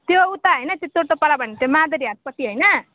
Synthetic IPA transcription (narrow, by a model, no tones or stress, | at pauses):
t̪jout̪aɦʌjnʌt̪et̪oɽt̪opʌɾabʱʌnet̪omad̪ʌɾiat̪̚pʌt̪ːiɦʌjnʌ